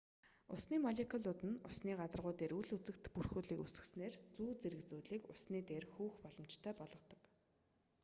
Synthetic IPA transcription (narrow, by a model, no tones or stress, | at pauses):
ʊ̰sniːmɔɮʲekʰɔɮɔt̪ɘ̆nʊsniːɢat͡sə̆rʁʊːt̪eːɾuɮut͡sɘ̆kt̪purxuːɮiːkusɘ̆sneːrt͡suːt͡seɾɘ̆kt͡suːɮiːkʊsniːt̪eːrxuːxpɔɮɞ̆mt͡ɕt̪ʰœːpɔɮɞ̆t̪ɞ̥̆k